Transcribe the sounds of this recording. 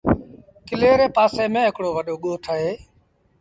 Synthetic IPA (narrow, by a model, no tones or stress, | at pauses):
kɪleːɾeːpaːseːmẽːɦɪkɽoːʋəɗoːɠoːʈʰəɦeː